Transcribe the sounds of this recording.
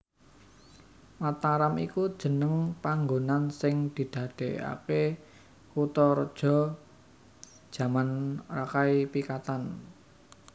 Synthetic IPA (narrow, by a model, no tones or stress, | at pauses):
mat̪aɾamikud̥ʒ̥ə̤nəŋpaŋɡonansɪŋd̪̥i̤d̪̥a̤d̪̥e̤a̰ke | kut̪ɔrd̥ʒ̥ɔ̤ | d̥ʒ̥ä̤manrakaipikat̪an